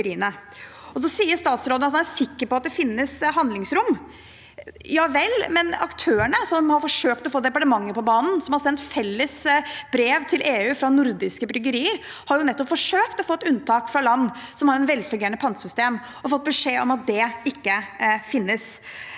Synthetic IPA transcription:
ɾiːənə | ɔs̬ɔsiːəɾʂt̪ɑːt̪sɾoːd̪əɑt̪hɑnæsɪkːəɾpɔɑt̪̚d̪ɛfɪnːəshɑnd̪lɪŋsɾʊmː | jɑːʋɛlmɛnɑ̰kt̪ʰøːæɳəsɔmhɑɾfɔʂøːkt̪ɔfoːd̪ɛpɑʈəmɑŋːəɾpɔbɑːnn̩sɔmhɑɾsɛnt̪fɛlːəsb̥ɾeːʋt̪ʰɪlʔeːʉːfɾɑnʊɾd̪ɪskəbɾʏɡəɾiːəɾ | hɑɾjʊnɛt̪ːɔpfɔʂøːkt̪ɔfɔːt̪ːʉnt̪ʰɑːkfɾɑlɑnː | sɔmhɑɾɛt̪ʋɛlfʉŋɡeːəɳnəpʰɑnt̪sʏst̪eːm | ɔfɔt̪̚ːbəʂeːɔmɑt̪̚d̪ɛɪkːəfɪnːəs

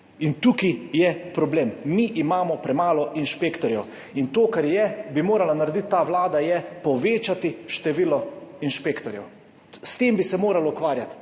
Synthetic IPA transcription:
int̪ukijɛpɾɔbleːmːiʔimaːmɔpɾɛmaːlɔʔinʃpeːkt̪ɔɾjɛw | int̪oːkaɾjɛbimoːɾalanaɾɛd̪it̪ːaːʋlaːd̪ajɛpɔʋeːt͡ʃat̪iʃt̪ɛʋiːlɔinʃpeːkt̪ɔɾjɛ̰w | st̪eːmbisɛmoːɾalɔukʋaːɾjat̪

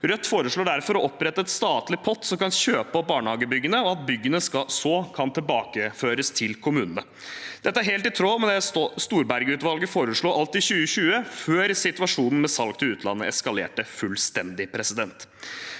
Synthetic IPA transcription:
ɾœt̪ːfoːɾəʂɭoːɖæɾfɔɾɔʔɔpɾɛt̪ːəɛt̪st̪ɑːt̪lɪpʰɔt̪ːsɔmkɑnɕøːpəəbɑːɳhɑːɡəbʏɡːənəɔɑt̪̚bʏɡːənəskɑsɔːkʰɑnt̪ʰɪlbɑːkəføːɾəst̪ʰɪlkʰʊmʉːnən̩ə | d̪̥ɛt̪ːəæɾɦeːlt̪ɪt̪ʰɾoːmɛnɛst̪uːɾbæɾɡəʉːt̪ʋɑlɡəfoːɾəʂɭuːʔɑlt̪ɪɕʉːəɕʉːəføːɾsɪt̪ʉʋɑʂuːnn̩mɛsɑlk̚t̪ʰɪlʉːt̪ʰlɑ̰nːəʔɛskɑlḛːʈəfʉlst̪ɛnd̪ɪpʰɾɛsɪd̪ɛnt̪

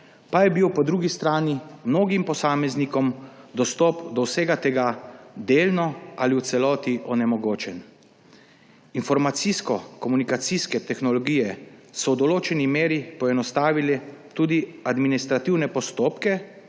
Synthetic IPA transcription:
pajɛbiwpɔd̪ɾuːɡist̪ɾaːnimnoːɡimpɔsaːmɛznikɔmd̪ɔst̪ɔːpd̪ɔwseːɡat̪ɛɡad̪eːlnɔaliwt̪sɛlɔːt̪iʔɔnɛmɔɡoːt͡ʃɛn | infɔɾmat̪siskɔkɔmunikat̪siskɛt̪ɛxnɔlɔɡiːjɛsɔwd̪ɔloːt͡ʃɛnimeːɾipɔɛnɔst̪aːʋilɛt̪uːd̪iad̪minist̪ɾat̪iwnɛpɔst̪oːpkɛ

